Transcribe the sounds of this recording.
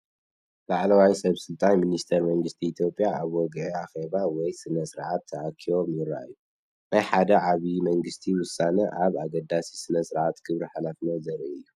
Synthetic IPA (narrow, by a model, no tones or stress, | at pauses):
laʕlɐwajsɐβsɨlt̪ʼanminist̪ʰɐɾmɐŋɡɨst̪ʰiːt̪ʰjo̞pʼːjaaβwɔɡʕiaxeβawɔjsɨnɐsɨɾʕat̪ʰːɐʔakʰio̞mjɪɾːa̰ʔɨjːu | najħad̪ɐʕaβimɐŋɡɨst̪ʰiwʊsːanɐʔaβaɡɐd̪ːasisɨnɐsɨɾʕat̪ɡ̥ʰɨβɾiħalafnɐzɐɾɐɨjːu